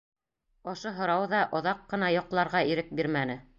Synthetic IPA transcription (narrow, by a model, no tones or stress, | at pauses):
ŏʃɤɦŏɾɑwðɑʔŏðɑqːɤ̆nɑjŏqlˠɑɾʁɑiɾɘk̚biɾmænɘ